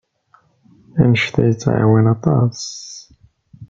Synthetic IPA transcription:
æ̰nəʃθæ̰jət͡sːʕa̰winɑt̪ˤɑ̰s

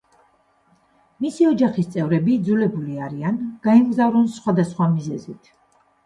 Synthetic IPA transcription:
misiɔd͡ʒaχist̪sʼɛvɾɛbid̪zulɛbuliaɾianɡ̥aɛmɡzavɾɔnsχwad̪asχwamizɛzit̪ʰ

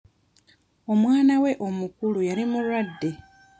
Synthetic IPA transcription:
o̞mwaːnawe̞ʔo̞mukulujalimulwadːe̞

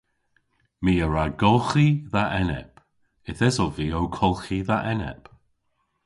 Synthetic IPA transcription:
miːəɹaɡɔlˠxiðaʔɛnɛ̰p | ɪθɛzɔviːowkʰɔlˠxiðaʔɛnɛ̰p

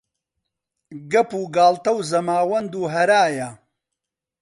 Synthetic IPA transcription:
ɡɐpuːɡaːlt̪ɐwzɐmaːwɐnd̪uːɦɐɾaːjɐ

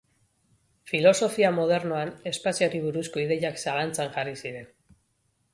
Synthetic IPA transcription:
filo̞so̞fiamo̞ð̞e̞ɾnoane̞spasioɾiβuɾusko̞iðe̞ʎaksalant͡saŋʝarisiɾe̞n

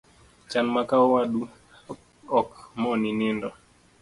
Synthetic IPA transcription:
t͡ʃanmakaɔwaɗu | ɔkmɔninɪndɔ

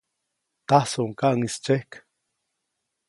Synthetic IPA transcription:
t̪asoʔŋkaʔŋist͡ʃehk

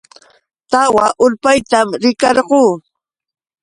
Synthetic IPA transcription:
t̪awaʔʊʎpajt̪amɾɪkɑɾɢuː

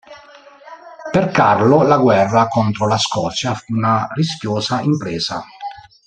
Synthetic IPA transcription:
perkarlolaɡwɛrːakɔnt̪ɾolaskɔt̪sjafunariskjoːzaimpɾeːza̰

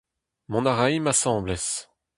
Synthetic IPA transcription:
mɔ̃naʁajmasɑ̃blɛs

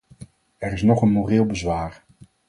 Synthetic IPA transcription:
ɛɾɪsnɔχənmorɪːlˠbəzʋaːɹ

